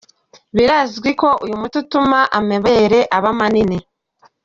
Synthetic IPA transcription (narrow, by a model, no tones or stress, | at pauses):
βiɾazɡwiko̞ʔujumututumaʔame̞βe̞ɾe̞ʔaβamanine